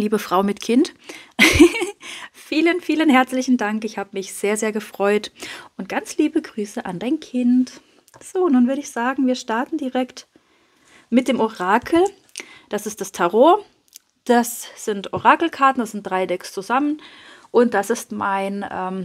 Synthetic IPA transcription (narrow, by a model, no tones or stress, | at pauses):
liːbəfʁ̥aʊmɪtkʰɪnt | fiːlənfiːlənhɛɐt͡slɪçn̩daŋkɪçhaːbəmɪçz̥eːɐzeːɐɡəfʁ̥ɔʏtʔʊnt̚ɡ̥ant͡sliːbəɡʁyːsəʔandaɪnkʰɪnt | z̥oːnuːnvʏɐɾəɪçz̥aːɡŋ̩viːɐʃtaɐtn̩diʁɛkt | mɪt̚d̥eːmoʁaːkʰl̩ | d̥asɪst̚d̥astʰɛʁoːɐ | d̥asz̥ɪntoʁaːkl̩kʰaɐtn̩d̥asz̥ɪnt̚d̥ʁaɪdɛkst͡suzamən | ʔʊnt̚d̥asɪstmaɪnʔɛːm